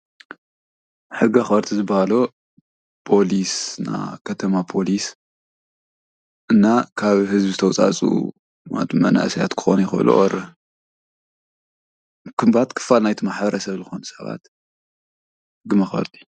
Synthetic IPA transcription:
ħɨɡaxɐɾt̪ʰizɨbahalo | pʰo̞lisna̰kʰɐt̪ʰɐmapʰo̞lis | ʔɨnːakʰaβhɨzbizɨt̪ʰɐwt͡sʼa̰t͡sʼṵ | na̰t̪ʰumɐna̰ʔsja̰t̪kʰɨ̥xo̰njɪxɨ̰lṵʔɔ̰ɾɨ | kʰɨmbat̪kʰɨ̥fːalnajt̪ʰimaħbɐɾɐsɐβzɨxonusɐβa̰t̪ | ħɨɡɨmɐxɐ̰ɾt̪ʰʼi̥

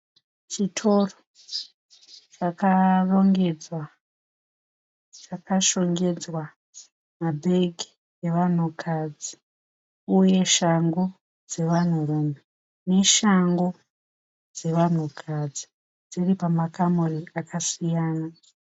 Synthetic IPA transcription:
t͡ʃitʰo̞ro | t͡ʃakaroŋɡe̞d͡zwa | t͡ʃakaʃo̞ŋɡe̞d͡zwa | mabʱe̞ɡʱi̥ | eʋan̤ukʰad͡zi | uje̞ʃaŋɡo̞ | d͡ze̞ʋan̤urume | ne̞ʃaŋɡo | d͡ze̞ʋan̤ukʰad͡zi̥ | d͡ziripamakamuriakasijaːna

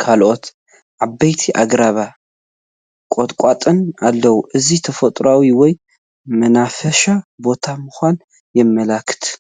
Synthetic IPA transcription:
kʰalʔo̞t̪ | ʕabːɐjt̪ʰiʔaɡɾaβa | kʼot̪ʼkʷʼat̪ʼɨnalːəwuʔɨzit̪ʰəfət̪ʼɾawiwɔj | mənafəʃabo̞t̪ʰamɨxʷan | jɛmːəlakʰːɨ̥t̪ʰ

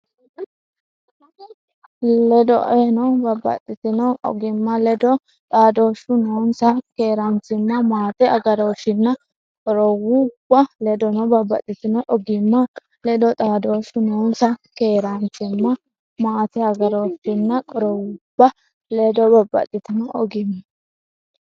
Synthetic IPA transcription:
ɛd̪ɔ̰ʔenɐbɐbːɐ̰t̪ʼːɪt̪ɪnɐwʔɔ̰ɡɪmːɐlɛd̪ɔ | t̪ʼaːd̪o̞ːʃʊnoːnsɐke̞ːɾɐnt͡sɪmːɐmaːt̪ɛɐɡɐɾo̞ːʃɪnːɐ | kʼɔɾɔwub̥ːɐlɛd̪ɔnɔbɐbːɐ̰t̪ʼːɪt̪ɪnɐʔɔɡɪmːɐ | lɛd̪ɔt̪ʼaːd̪o̞ːʃʊnoːnsɐkeːɾɐnt͡sɪmːɐ | maːt̪ɛɐɡɐɾo̞ːʃɪnːɐkʼɔɾɔwʊb̥ːɐ | lɛd̪ɔbɐbːɐ̰t̪ʼːɪt̪ɪnɐʔɔɡɪmːɐ

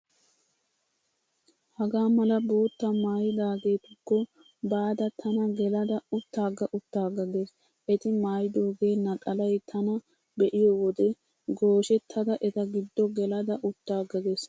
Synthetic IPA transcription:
hɐɡaːmɐlɐbo̞ːt̪ːɐmaːjɪd̪aːɡe̞ːt̪ʊkːɔ | baːd̪ɐt̪ʰɐnɐɡɛlɐd̪ɐʊt̪ːaːɡɐʔʊt̪ːaːɡɐɡes | ʔɛt̪ɪmaːjɪd̪oːɡeːnɐkʼɐlɐjt̪ʰɐnɐ | bɛʔɪjɔwɔd̪ɛ | ɡo̞ːʃɛt̪ʰːɐd̪ɐʔɛt̪ɐɡɪd̪ːɔɡɛlɐd̪ɐʔʊt̪ːaːɡɐɡes

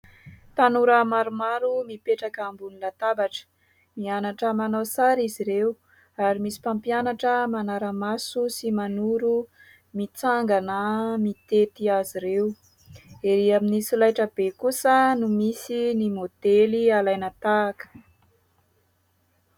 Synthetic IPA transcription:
t̪anuɾəmaɾumaɾumipeʈ͡ʂakaːmbunilat̪abaʈ͡ʂə̥ | mianaʈ͡ʂəmanawsaɾiziɾew | aɾimisi̥pampianaʈ͡ʂəmanaɾəmasusimanuɾu | mit͡saŋɡanəmit̪et̪iaziɾeu | eɾiaminisulajʈ͡ʂəbekusənumisinimod̪̥elialajnət̪aːkə̥

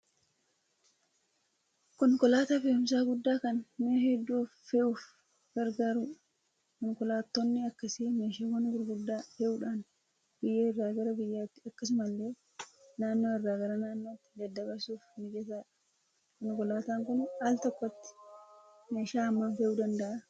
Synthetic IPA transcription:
kɔŋkɔlaːt̪aːfeːʊms̬aːɡʊd̪ːaːkɐnmehɛd̪ːuːfːɛʔuːf | ɡ̥ɐɾɡaːɾʊᶑ | kɔŋkɔlaːt̪ːonːɪɐkːɐsɪmeːʃaːwɐnɡʊɾɡʊd̪ːaːfɛʔuːᶑaːn | b̥ɪjːeːɪrːaːɡɐɾɐbɪjːaːt̪ːɪɐkːɐs̬ɪmɐlːeː | naːnːoːɪrːaːɡɐɾɐnaːnːo̞ːt̪ːɪ̥d̪ɐd̪ːɐbɐɾsuːfnɪd͡ʒɛt̪aːᶑɐ̥ | kɔŋkɔlaːt̪aːŋkʊnaːlt̪ɔkːɔɐt̪ːɪ̥ | me̞ːʃaːɐmːaːnfɛʔud̪ɐnd̪ɐʔɐ

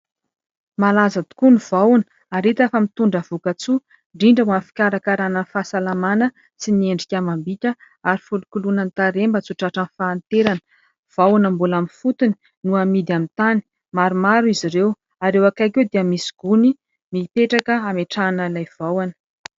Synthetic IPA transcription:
malazad̪i̥kunuv̥awun | aɾit̪afəmit̪uɳɖ͡ʐəv̥ukat͡su | ɳɖ͡ʐiɳɖ͡ʐəmanfi̥kʲaɾakaɾanənfaːsalamanə | sinieɳɖ͡ʐikʲamambitʲə | aɾifulukulunənt̪aɾembət͡suʈ͡ʂaʈ͡ʂanfaːnt̪eɾanə̥ | v̥awanambulaminfut̪uni̥ | nuamid̪iamit̪ani̥ | maɾumaɾuiziɾew | aɾewakajkewd̪eəmisi̥ɡ̥uni | mipeʈ͡ʂakəameʈ͡ʂanəlajv̥awanə̥

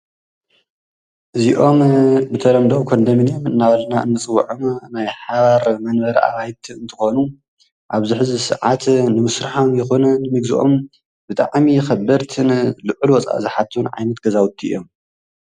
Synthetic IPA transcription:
ʔɨziʔo̞mbɨt̪ʰɐɾɐmd̪owkʰo̞nd̪ɐminjomɨnːaβɐlɐnaɨ̰nːɨt͡sʼɨw̰ʕomnajħaβaɾmɐnbɐɾɐʔa̰βajt̪ʰiɨnt̪ʰɨxo̞nu | ʔaβzɨħzɨsɨ̰ʕat̪nɨmɨsɾɨħomjɪxonɐnɨmɨɡzɨʔo̞̰m | bɨt̪ʼa̰ʕmixɐbɐɾt̪ʰɨnlɨʕulwɔt͡sʼa̰ʔzɨħat̪ʰːɨunʕa̰jnɐt̪ɡ̥ɐzawʊt̪ʰːiʔḭjo̞m

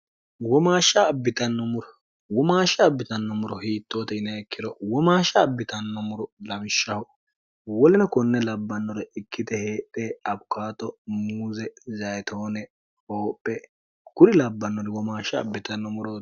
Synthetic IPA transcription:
wɔmaːʃːɐːbːɪt̪ɐnːɔmʊɾɔ | wɔmaːʃːɐːbːɪt̪ɐnːɔmʊɾɔhiːt̪ːoːt̪ɛɪnɐɛkːɪd̪ɔwɔmaːʃɐːbːɪt̪ɐnːɔmʊɾɔlɐmɪʃːɐhɔ | wɔlɪnɐkɔnːɛlɐbːɐnːɔɾɛɪkʰːɪd̪ɛheːᶑeɐbʊkaːt̪ɔmuːzɛzɐjt̪ʰoːnɛ | hoːpʼːɛ | ɡ̥ʊɾɪlɐbːɐnːɔɾɛwɔmaːʃːɐ̰ːbːɪt̪ɐnːɔmʊɾɔ

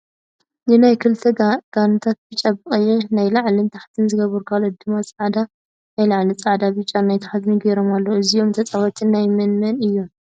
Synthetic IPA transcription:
nɨnajkʰɨlt̪ʰɐɡ̥anɨt̪ʰat̪̚b̥ɨt͡ʃʼːabɨχʼɨjɛnajlaʕlint̪ʰaħt̪ʰɨnzɨɡɐβɨɾkʰalod̪ɨmat͡sʼɐʕd̪a | najlaʕlit͡sʼaʕd̪abɨt͡ʃʼːanajt̪ʰaħt̪nɨɡeɾo̞malːɐɨzijo̞mt̪ʰɐt͡sʼawɐt̪ʰʼɨnːajmɐnmɐnɨjːom

